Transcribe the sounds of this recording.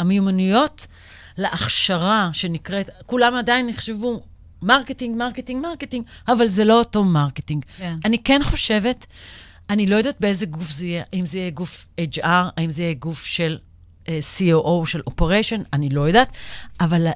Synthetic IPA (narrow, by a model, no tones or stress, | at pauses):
amejumanujo̞t | leʔaχʃaʁaʃe̞nikʁetkulamadainːiχʃevu | maʁketiŋɡmaʁketiŋɡmaʁketiŋɡavalzelo̞ːto̞maʁketiŋɡanikenχo̞ʃe̞ve̞t | anilo̞jod̪at̪̚beezeɡufzeijeaimzeijeɡufet͡ʃaʁaimzeijeɡufʃel | ʔsioʔoʃelʔo̞peʁeʃo̞nanilo̞jodataval